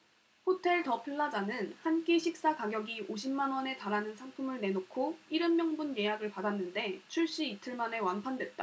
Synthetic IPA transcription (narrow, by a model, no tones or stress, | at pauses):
hotʰe̞ɭtʌpʰiɭːad͡ʑanɯnhank͈eɕʰik̚s͈akaɡjʌɡioɕʰimːanwʌne̞taɾanɯnsʰaŋpʰumɯɭne̞nokʰoiɾɯmmjʌŋbunje̞jaɡɯɭpadanːɯnde̞t͡ɕʰuɭɕ͈iːtʰɯɭmane̞wanpʰandwe̞t̚t͈a̰